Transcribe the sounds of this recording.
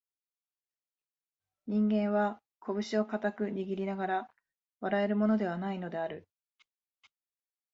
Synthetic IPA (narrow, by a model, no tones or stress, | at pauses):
ɲ̟ĩŋɡẽ̞ɰ̃βa | kʰo̞bɯ̟ɕio̞kat̪akɯ̟ɲiɡʲiɾʲinaɡaɾa | βaɾae̞ɾɯ̟mo̞no̞d̪e̞β̞anaino̞d̪e̞aɾɯ̟